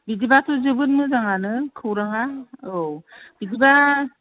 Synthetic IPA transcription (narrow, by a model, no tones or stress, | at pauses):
bid͡ʒibatʰuzɯbɯnmɯzaŋanɯkʰɯwɾaŋaob̥idiba